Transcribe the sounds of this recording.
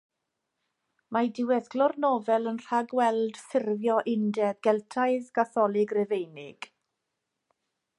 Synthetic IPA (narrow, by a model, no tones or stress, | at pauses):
madɪwɛθɡ̥lɔrnɔvɛlˠənr̥aɡwɛlˠd̥θɪrvjɔʔɪndɛðɡɛlˠtʰaɨðɡaθɔlˠɪɡrɛvejnɪɡ̥